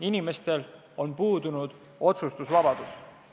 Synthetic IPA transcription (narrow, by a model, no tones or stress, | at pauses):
inime̞st̪e̞l | o̞npuːd̪unud̪̥ | o̞t̪sust̪usvɑb̥ɑd̪̥us